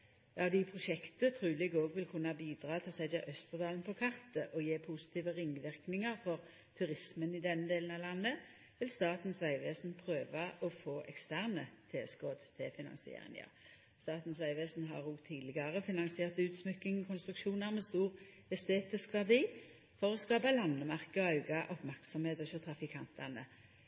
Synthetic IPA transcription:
ɑʋd̪ɪpʰʁʊʃɛkt̪ət̪ʰʁʉːlɪɡoːɡʋɪlkʰʉnːɑbiːd̪ʁɑːt̪ʰɪlsɛɪd̪ɛʔœst̪əʁd̪ɑːlnpʰɔkʰɑʁt̪əʔɔjeːpʰusɪ̥t̪ʰiːʋəʁɪŋːʋɪʁknɪŋəʁfɔʁ | t̪ʰʉɾɪsmənɪd̪ɛnːəd̪eːln̩ɑʋlɑnːə | ʋɪlst̪ɑːt̪n̩sʋæɪʋeːsn̩pʰʁøːʋɑʔɔfoːʔɛkst̪æʁnət̪ʰeːskoːd̪t̪ʰɛfɪnɑ̰nsɪḛːʁɪ̰ŋə̰ʁ | st̪ɑːt̪n̩sʋæɪʋeːsn̩ɦɑʁuːɡt̪ʰiːd̪lɪɡɑʁəfɪnɑŋsɪeːʁt̪ʉːt̪smʏkːɪŋkʰɔnst̪ʁʉkʃuːnɑʁmɛst̪uːʁ | ɛst̪eːt̪ɪskʋɑʁd̪iː | fɔʁɔskɑːbɑlɑnːəmæʁkəɔɑʉɡɑʔɔpmæʁksɔmheːt̪ɔsɔt̪ʰʁɑfɪkʰɑnt̪ʰɑnə̰

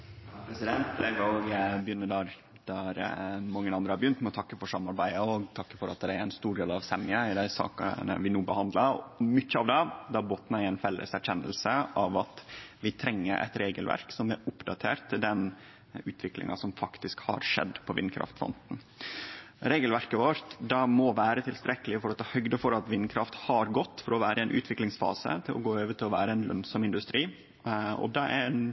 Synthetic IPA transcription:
pʰɾɛsɪd̪ɛnt̪̚pʰlɛɡɔɡbjʏnːəd̪ɑɾ | d̪̥ɑɾmɑŋːənɑnd̪ɾəhɑɾbjʏnt̪mɛɔt̪ʰɑkːəfɔʂɑmɑɾbæɪəɔɡt̪ʰɑkːə̥fɔɾɑt̪̚d̪ɛæɾæɪnst̪uːɾɖeːlɑʋsɛmɪəɪd̪æɪsɑ̰ːkənə̰ʋɪnuːbəhɑnd̪lɑmʏçːəɑʋd̪ɛd̪ɑboːt̪næɪæɪnfɛlːʔə̰sæɾkʰɛnːə̰lsəʔɑʋɑt̪ʋɪt̪ʰɾɛŋːəɾʔɛ̰ɪt̪ɾeːɡəlʋæ̰ɾksɔmæɾʊpd̪ɑt̪ʰḛːɾtt̪ʰːɪld̪ɛn | ʉːt̪ʰʋɪklɪ̰ŋɑsɔmfɑkt̪ɪskhɑ̰ɾʂɛ̰d̪ːpʰɔʋɪ̰nkʰɾɑ̰ft̪fɔ̰nt̪n̩ | ɾeːɡəlʋæɾkəʋɔɾt̪d̪ɑmɔʋæːɾət̪ʰɪlst̪ɾɛkəlɪfɔɾɔt̪ʰɑːhœɡd̪əfɔɾɑt̪ʋɪnːkʰɾɑft̪hɑɾɡɔt̪ːfɔɾɔʋæːɾʔəɛnʔʉ̰ːt̪ʰʋɪklɪŋsfɑ̰ːsə̰t̪ʰɪlʔɔ̰ɡoːøːʋəʈ̪ʰɪlɔʋæ̰ːɾəɛnlœ̰nsɔmɪnd̪ʉst̪ɾiː | ɔ̰d̪ɑæ̰ɾn

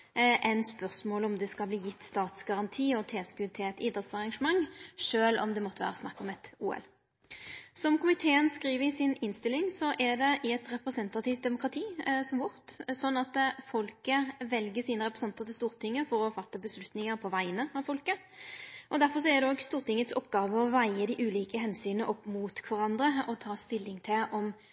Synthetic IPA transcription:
ʔɛnspœʁsmoːlɔmd̪ɛskɑlbliːjɪt̪ːst̪ɑːt̪sɡɑʁɑnt̪ʰiːɔt̪ʰeːskʉt̪ʰɪlɛt̪ɪd̪ʁət̪sɑʁɑŋʂəmɑŋʂøːlɔ̰md̪ɛmɔt̪ːəʋæ̰ːɾəsnɑ̰kːɔmɛt̪uːɛ̰l | sɔmkʰʊmɪt̪ʰeːənskɾiːʋəɪsɪnɪnst̪ɪlːɪŋsɔʔɛd̪ɛʔɪɛt̪ɾɛpʁɛsɛnt̪ɑt̪ɪft̪̚d̪ɛmʊkɾɑt̪ʰiːsɔmʋʊɾt̪sɔnːɑt̪fɔlkəʋɛlɡəsiːnəʁɛpʁɛsɛnt̪əʁt̪ʰɪlst̪uːɾt̪ʰɪŋːəfɔɾɔfɑt̪ːəbəslʉt̪nɪŋəɾpʰɔʋæɪənəɑʋfɔlkə | ʔɔd̪æɾfɔʁs̬ɔɛd̪ɛoːɡst̪uːʁt̪ɪŋːət̪sɔpːɡɑːʋəɔʋæɪəd̪ɪʔʉːliːkəɦɛnsyːnəʔɔpːmuːt̪kʰʋɑɾɑnd̪ɾəɔt̪ʰɑːst̪ɪlːɪŋt̪ʰɪlʔɔm

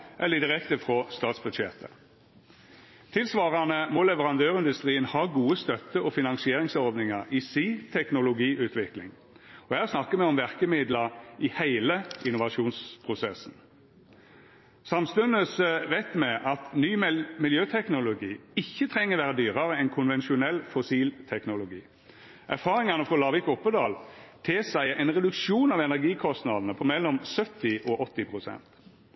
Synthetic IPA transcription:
ʔɛlːəd̪ɪʁɛkt̪əfʁɔst̪ɑːt̪sbʊʂɛ̰ːt̪ə̰ | t̪ʰɪlsʋɑːʁɑnəmɔlɛʋəʁɑnd̪øːʁɪnd̪ʉst̪ʁiːənhɑːɡuːəst̪œt̪ːəɔfɪnɑnsɪeːɾɪŋsɔɾʋnɪŋɑʁisiːt̪ʰɛknʊlʊɡiːʔʉːt̪ʰʋɪklɪ̰ŋ | ɔhæːʁsnɑkːəmɛɔmʋæʁkəmɪd̪ləʁɪhæɪləɪnːʊʋɑʂuːnspʰʁʊsɛsn̩ | sɑmst̪ʉnəsəʋæɪt̪mɛʔɑt̪nyːmɪljøːt̪ʰɛknʊlʊɡiːɪçːət̪ʰʁɛŋːəʋæːɾəd̪yːɾɑɾəɛnkʰʊnʋɛnʃʊnɛlfɔsiːlt̪ʰɛknʊlʊɡḭː | ʔæʁfɑːɾɪŋɑnəfɔlɑːʋɪkɔpːəd̪ɑːlt̪ʰesæɪɛɪnʁɛd̪ʉkʃuːnɑʋɛnæʁɡiːkʰɔst̪nɑd̪n̩əpʰɔmɛlːɔmsœt̪ːɪʔɔʔɔt̪ːɪpʰʁʊsɛ̰nt̪

